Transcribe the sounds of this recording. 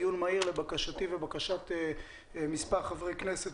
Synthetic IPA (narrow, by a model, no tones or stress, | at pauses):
junmaiʁlebakaʃat̪ivebakaʃat̪e | mispaʁχavʁejkneset